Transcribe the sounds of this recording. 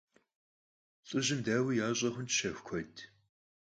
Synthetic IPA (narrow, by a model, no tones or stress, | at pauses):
t͡sʼɨʑɪmdaːwijaːɕʼɐχʷʊnʃɐxʷkʷʰɔtʰ